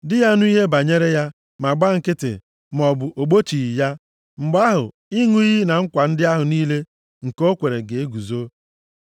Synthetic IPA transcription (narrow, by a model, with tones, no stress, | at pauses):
dɪ˦ja˦nu˦i˦ɦe˦ba˨ɲe˦ɾe˦ja˦ | ma˨ɡ͡ba˦ŋ̩˨kɪ˦tɪ̰˨ | m˨ɔ˨bʊ˨ʔo˨ɡ͡bo˦t͡ʃi˨i˨ja˦ | m̩˨ɡ͡ba˦ɦʊ̰˨ | i˦ŋu˦i˦ɦi˦na˨ŋ̩˦kʷa˨n̩˦dɪ˦a˦ɦʊ˨niː˦le˦ | ŋ̩˨ko˦kʷe˨ɾe˨ɡe˨e˦ɡu˨zo˦